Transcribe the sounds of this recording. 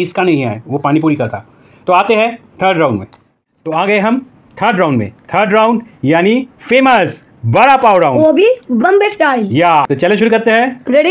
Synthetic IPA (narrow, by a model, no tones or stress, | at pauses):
ɪskanɐ̃ɦĩa̰ːeʋopaːñip̬uːɾikɐɾt̪ʰaː | t̪oaːt̪eɦɛ̃t̪ʰəːɾɖɾãʊ̃ɳɖmḛ̃ː | t̪oaːɡɐeɦɐm | t̪ʰəɾɖɾãʊ̃ɳɖmḛ̃t̪ʰəːɾɖɾãːʊ̃ɳɖjaːnifeːməs | bɐɽapaːʊɾaːʊ̃obʱibɐmbesɡaːijaːt̪ot͡ʃɐlẽʃʊɾukɐɾt̪eɦɛ̃ːɾeɽ